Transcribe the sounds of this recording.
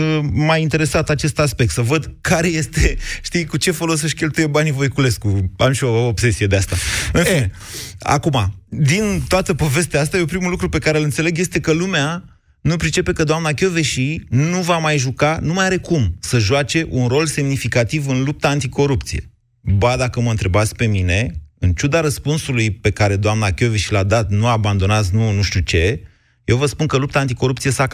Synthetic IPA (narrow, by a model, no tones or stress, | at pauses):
əmajint̪e̞ɾe̞sat̪at͡ʃe̞st̪aspek̚t̪səvəd̪kaɾe̞je̞st̪eʃt̪ijkut͡ʃe̞fo̞los̬əʃkʲe̞lt̪uje̞banivojkule̞skua̰mʃio̞ːbse̞sije̞d̪east̪aɨnin | a̰kuma̰d̪int̪oat̪əpo̞ve̞s̬t̪eaast̪ajeopɾimulukɾupe̞kaɾelɨnt̪se̞le̞ɡje̞st̪e̞kəlumea | nupɾit͡ʃe̞pe̞kəd̪oamnak̬ʲo̞ve̞ʃinuvamajʒukanumajaɾe̞kumsəʒuat͡ʃe̞ʔunro̞lse̞mnifikat̪ivɨnlup̚t̪aːnt̪iko̞ɾup̚t̪sije̞̰ | bad̪akəməɨnt̪ɾe̞bat̪sʲpe̞mine̞ɨnt͡ʃud̪aɾəspunsulujpe̞kaɾe̞d̪oamnakʲo̞veʃilad̪at̪nuaband̪o̞nat̪s̬nunuʃt̪ut͡ʃe̞ | je̞wvəspunkəlup̚t̪aːnt̪̬iko̞ɾup̚t̪sijesak